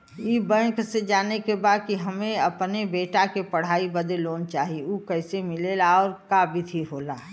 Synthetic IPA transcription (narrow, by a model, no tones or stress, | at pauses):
iːbɛ̃ːksed͡ʒaːnekebaːd̪̚kiɦəmẽəpnebeːʈakepəɽ̤aːibəd̪loːnt͡ʃaːɦiuːkəɪsemɪleːlaɔːɾkabʱit̪ʰiɦoːla